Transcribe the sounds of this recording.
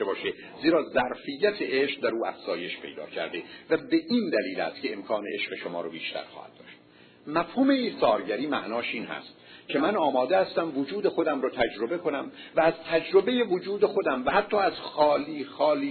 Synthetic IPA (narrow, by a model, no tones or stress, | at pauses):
ebɒːʃe | ziːɾɒːzæɾfijːæt̪ʰeʔeʃq̚d̪æɾuːæ̰fz̥ɒːje̞ʃpʰe̞jd̪ɒ̰ːcʰæ̰ɾd̪evæbe̞ʔiːnd̪æliːlæ̰st̪cʰʲeemkʰɒːneʔeʃqeʃomɒ̰ːɾobiːʃt̪ʰæ̰ɾxɒ̰ːhæ̰d̪̥̚d̪ɒ̰ːʃt̪ | mæfhuːme̞isɒːɾɟæɾiːmæʔnɒːʃiːnhæ̰st̪cʲʰe̞mænɒːmɒːd̪ehæst̪æmvod͡ʒuːd̪e̞xo̞d̪æmɾɒːt̪ʰæd͡ʒɾo̞be̞kʰo̞næm | væːzt̪ʰæd͡ʒɾo̞be̞je̞vod͡ʒuːd̪e̞xo̞d̪æmvæhæt̪ʰːɒːæz̥xɒːliːxɒːliː